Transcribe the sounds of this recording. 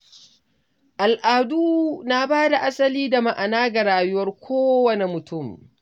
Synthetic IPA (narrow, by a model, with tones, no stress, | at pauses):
ʔa˨lʔaː˨duː˦na˦baː˦da˨ʔa˦sɐ˦liː˦da˨ma˨ʔa˨naː˦ɡa˨ɽaː˨jʊ˦wɐ˦rkʷoː˦wɐ˦ne˨mʊ˨tʰʊ˦˨m